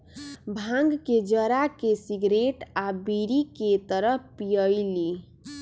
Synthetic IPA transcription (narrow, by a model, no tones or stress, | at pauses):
bʱãŋɡked͡ʒəɾakesiɡɾeʈabiɾiket̪əɾəpijəjli